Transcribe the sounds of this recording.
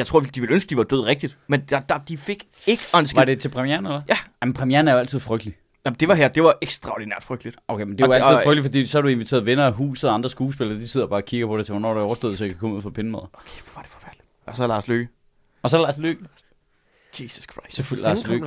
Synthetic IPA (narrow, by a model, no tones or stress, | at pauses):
jɑ̈ɪt͡sʰʁo̝ɐʋid̥iʋe̝lønsɡ̥əd̥iʋɑ̈d̥øð̞̰ˠʁɛɡ̥̚d̥id̥menɑd̥ɑd̥ifeɡ̥ | e̝ɡ̥əɒnsɡ̥ɑd̥e̝t͡sʰe̝lpʰʁɛmieɐnelɐjæmnpʰʁɛmijeɐnəæɐjoæl̰t͡sʰið̰ˠfʁœɡ̥d̥li | jæmnd̥e̝ʋɑ̈ɦeɐ̰d̥e̝ʋɑ̈ʔeɡ̥sd̥ʁɑ̈o̰dinæɐd̥fʁœɡ̥d̥lid̥ʔoʊkʰemend̥eælʰðˠʁœɡ̥lifɒdḭːsɒæɐdue̝nʋit͡sʰe̝̰ɐðˠʋenɐɦṵːs̩ˠɒɑ̈nd̥ʁɐsɡ̥uːsb̥e̝lɐd̥ise̝ð̰ˠɐb̥ɑ̈ːkʰiɡ̥ɐpʰɒ̽d̥et͡sʰe̝ʋɔnɔ̰ːd̥uɒʊɐsd̥o̰ðˠsɒ̽jikʰækɒ̽muð̰ˠfɒpʰenəmæ̰ðˠɐokʰeʋʋɑ̈d̥efɒ̥fæɐd̥li̥ | ɒsɒlɑ̈ːsløːɡ̥ə | ɒ̽sɒlɑ̈ːsløːɡ̥ | isuskʰʁ̥sefulɑ̈ːslø̰ɡ